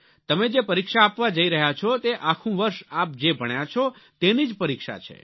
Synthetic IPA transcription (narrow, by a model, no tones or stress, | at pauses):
t̪əmed͡ʒepəɾikʃaːpʋad͡ʒəiɾəɦjat͡ʃʰɔt̪eʔakʰũʋəɾʃap̚d͡ʒebʱəɳjat͡ʃʰɔt̪enid͡ʒpəɾikʃa̰t͡ʃʰḛ